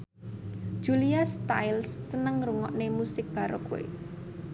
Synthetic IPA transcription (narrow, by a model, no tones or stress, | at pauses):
ʒ̥uliast̪a̰jlsːənəŋruŋɔ̰ʔnemusɪk̚b̥a̤ɾʔo̰kuwḛ